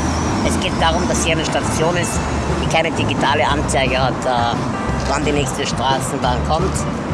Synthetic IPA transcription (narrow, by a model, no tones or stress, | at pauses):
ʔɛsɡ̥eːt̚d̥aːʁʊmdashiːanəʃtat͡sjoːnɪst | d̥iːkʰaɪnədiɡitʰaːləʔant͡saɪɡəhatɛ | vandiːnɛːçstəʃtʁ̥aːsn̩baːnkʰɔmt